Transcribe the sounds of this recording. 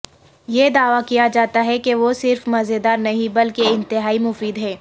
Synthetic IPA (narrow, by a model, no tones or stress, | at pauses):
jed̪aːʋakijad͡ʒaːt̪aɦɛkeʋosɪɾfmɐzed̪aːɾnɐɦĩbɐlkeɪ̃nt̪ɪɦaːimʊfiːd̪ɦɛː